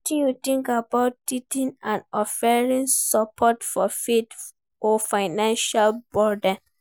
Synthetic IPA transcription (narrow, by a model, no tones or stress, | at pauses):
tĩnjutĩŋkabaʊt̚ːitĩnãnɔfɛɹĩnsɔpʰɔtfɔfet | ɔfaɪnãnʃalbɔda